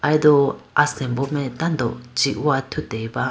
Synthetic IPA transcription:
ajd̪oasẽmbomẽt̪and̪ot͡ʃiʔuat̪ʰut̪eβa

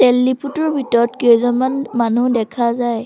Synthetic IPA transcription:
tɛlːipʰutɔɹbʱitɔɹɔtkejzɔmanmanudɛkʰazaj

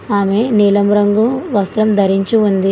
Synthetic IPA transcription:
aːme̞niːlɐmɾɐŋɡuʋɐst̪ɾɐmd̪ʱɐɾiɲt͡ʃuund̪i

